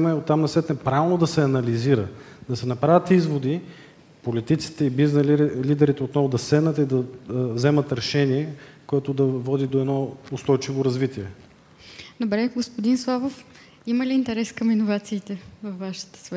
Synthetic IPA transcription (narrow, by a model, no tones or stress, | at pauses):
mɐɛot̪ːamnɐsvɛt̪nɛpɾavɛlˠnod̪ɐsɛɐnɐliziɾəd̪ɐsɛnɐpɾavʲət̪izvod̪i | polit̪it̪si̥t̪ɛibiznlid̪ɛɾit̪ɛot̪nɔvʊd̪ɐsɛnət̪id̪ɐvzɛmət̪ɾɛʃɛniɛkoɛt̪ʊd̪ɐvɔd̪id̪oɛd̪nɔʊst̪ɔjt͡ʃivoɾɐzvit̪iɛ | d̪obɾɛɡospod̪inslˠavof | iməliːnt̪ɛɾɛskɐminovat̪siːt̪ɛvɐfːaʃi̥t̪ə̥svɛ